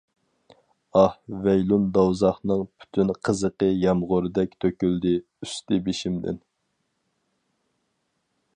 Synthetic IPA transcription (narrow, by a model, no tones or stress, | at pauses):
ɑhvɛjlˠund̪ɑwzɑχnɨŋpʰy̥t̪ʰynqʰəzəqəjɛmʁʊɾɨd̪ɛkʲt̪ʰøkʲyld̪ɪ | yst̪ɪbeʃimd̪ɪ̰n